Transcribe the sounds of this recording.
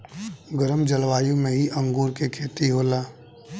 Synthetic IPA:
ɡəɾəmd͡ʒəlʋaːjũmẽɦiʔə̃ŋɡuːɾkekʰeːt̪iɦoːlaː

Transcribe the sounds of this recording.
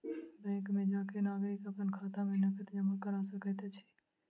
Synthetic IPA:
bɛ̃ːkmẽd͡ʒaːkenaːɡɾɪkəpənkʰaːt̪amẽnɐkət̪d͡ʒəmakəɾasəkət̪et͡ʃʰɛ̥

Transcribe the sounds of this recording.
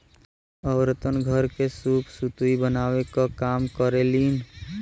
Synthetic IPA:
əwɾət̪ənɡʱəɾkesupʰsut̪uibənawekakaːmkəɾelin

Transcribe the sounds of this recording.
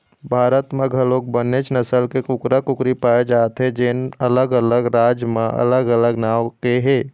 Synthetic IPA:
bʱaːɾət̪mẽɡʱəloːk̚bənet͡ʃnəsəlkekʊkɾakʊkɾipaːed͡ʒaːt̪ɦɛ̃d͡ʒenələɡələɡɾaːd͡ʒmãʔə̰ləɡələɡnaːwkeɦeː

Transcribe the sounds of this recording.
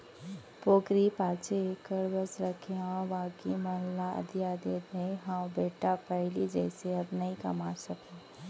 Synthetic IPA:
poːkɾipaːt͡ʃʰekəɽbəsɾəkʰjãʋaːkimənlaɐ̰d̪jad̪eːd̪eɦãwbeːʈapəɦlid͡ʒɛːseɐbnəĩkɐ̰maːɾsəkẽ

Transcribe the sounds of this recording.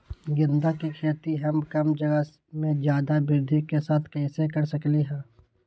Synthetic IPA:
ɡɪ̃nd̪akikʰeːt̪iɦɐmkɐmd͡ʒɐɡə | mẽd͡ʒjaːd̪abɪɾd̪ʱikesaːt̪ʰkɛːsekɐɾsɐkleɦɛ̃ː

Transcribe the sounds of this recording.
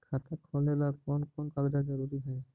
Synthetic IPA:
kʰat̪akʰɔlɛlakɔnkɔnkald̪ad͡ʒɔɾuɾiɦɔj

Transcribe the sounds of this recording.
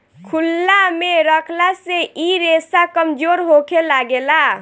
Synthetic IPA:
kʰulːameɾəkʰlaseʔiɾesakəmd͡ʒoɾɦokʰelaɡela

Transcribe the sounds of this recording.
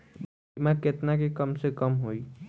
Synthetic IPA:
b | maket̪nakekɔmsekɔmɦoj

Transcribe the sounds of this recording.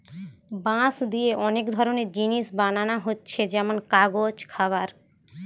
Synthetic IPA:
bãsd̪ieʔɔnekd̪ʱɔɾoneɾd͡ʑiniʃbananaɦotːɕʰed͡ʑɛmonkaɡod͡ʑkʰabaɾ

